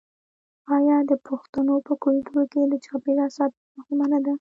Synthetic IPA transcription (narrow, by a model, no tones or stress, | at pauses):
ɑjɑd̪əpʰʊxt̪anopəkʊlt̪uɾokelət͡ʃɑpelasɑt̪̚maxumanad̪a